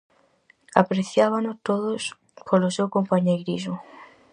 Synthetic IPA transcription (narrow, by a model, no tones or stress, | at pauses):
a̰pɾeθjaβ̞anʊst̪oðos | kʰolʊsewkompaɲejɾisʊ